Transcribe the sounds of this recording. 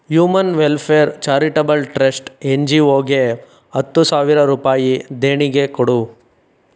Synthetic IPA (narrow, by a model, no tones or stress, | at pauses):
juːmɐnʋelpʰeɐɾt͡ʃaːɾiʈɐbɐlʈɾesʈeɲd͡ʒioːɡe | ɐt̪ːusaːʋiɾɐɾuːpaːjid̪eːɳiɡekɔɽu